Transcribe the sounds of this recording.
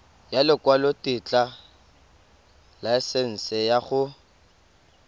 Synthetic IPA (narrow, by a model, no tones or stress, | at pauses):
jalɪkʼwalɔtɪt͡ɬʼa | laɛsɛn̩sɛjaχʊ